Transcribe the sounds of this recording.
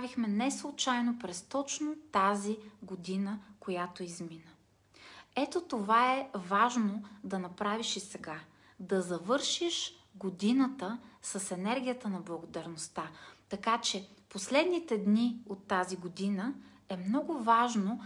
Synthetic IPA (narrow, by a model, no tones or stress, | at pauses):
avixmɛnɛslˠʊt͡ʃajnopɾɛst̪ɔt͡ʃnot̪aziɡod̪inəkojat̪oizminə | ɛt̪ot̪ovaɛvaʒnod̪ɐnɐpɾaviʃisɛɡa | d̪ɐzɐvɤɾʃiʃ | ɡod̪inət̪əsəsɛnɛɾɡʲijət̪ənɐblˠɐɡod̪ɐɾnost̪at̪ɐkat͡ʃɛposlɛd̪nit̪ɛd̪niot̪ːaziɡod̪inə | ɛmnɔɡʊvaʒno